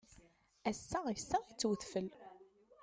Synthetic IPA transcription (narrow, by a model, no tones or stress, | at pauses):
æsːaʁjəsːaʁit͡sːwəθfəl